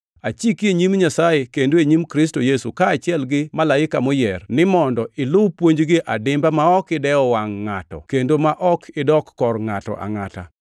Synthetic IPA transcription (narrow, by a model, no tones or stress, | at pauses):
at͡ʃikeɲimɲasajekendoeɲimkɾɪs̬tojesukaːt͡ʃɪɛlɡɪmalaɪkamojɛrnɪmɔndɔɪlʊwpwoɲd͡ʒɡɪʔadɪmbamaɔkɪdɛɔwaŋːatɔ̰kendomaʔɔkʰɪdɔkːɔrŋatɔ̰ʔa̰ŋata̰